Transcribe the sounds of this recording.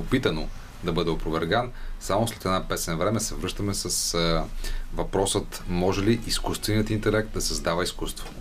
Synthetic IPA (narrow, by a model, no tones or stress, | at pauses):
opit̪əno | d̪ɐbɤd̪ɛopɾʊvɛɾɡansamoslɛt̪ɛd̪napɛsɛnɐvɾɛmɛsɛvɾɤʃt̪ɐmɛsəs | vɐpɾɔsət̪mɔʒɛliʔiskust̪vɛniət̪int̪ɛlɛk̚t̪̚d̪ɐsɐzd̪avəiskust̪vo